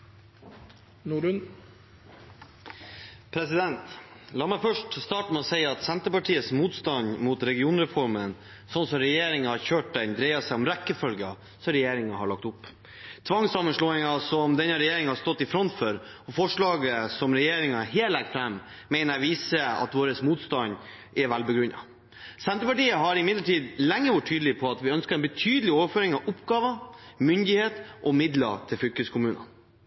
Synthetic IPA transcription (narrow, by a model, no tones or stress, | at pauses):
nuɾʉn | pʰɾɛsɪd̪ɛnt̪lɑːmæfœʂʈst̪ɑːʈmɛɔsæɪɑt̪sɛnt̪əpɑʈʰiːəsmuːt̪st̪ɑnmuːt̪ɾɛɡɪuːnɾɛfɔɾmən | sɔnsɔɾɛjeːɾɪŋɑhɑɾçøːʈ̚d̪ɛnd̪ɾeɪɑsæɪɔmɾækːəfœlɡə | sɔɾɛjeːɾɪŋɑɦɑɭɑk̚t̪ʊpː | t̪ʰʋɑŋsɑmənʂɭoːɪŋɑsɔmd̪ɛnːəɾɛjeːɾɪŋhɑst̪ɔt̪ːɪfɾɔnt̪føɾɔfɔʂɭɑːɡəsɔmɾɛjeːɾɪŋɑɦeːlæɡ̪̚fɾɛmː | ɛɪnəɾʋiːsəɑ̰t̪ʋoːɾəsmuːt̪st̪ɑn | ɛʋælbəɡɾʉnːɑ̰ | sɛnt̪ɾəpɑʈiːəɦɑɾɪmɪd̪ləʈiːd̪lɛŋːəʋʊʈʰːyːd̪əlɪpʰɔɑt̪ʋɪœnskəɾɛnbət̪ʰyːd̪əlɪoːʋəføːɾɪŋɑʔʊpɡɑːʋəmʏnd̪ɪheːt̪ʔɔmɪd̪lə̰t̪ʰɪlfʏlkəskʰʊmʉːnɑ